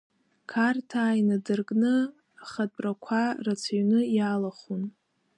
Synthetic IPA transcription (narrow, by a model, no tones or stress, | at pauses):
kʰartʰaːjnadɨrkʼnɨ | aχadʼrakʷʰarat͡sʰaɥnɨjalaχun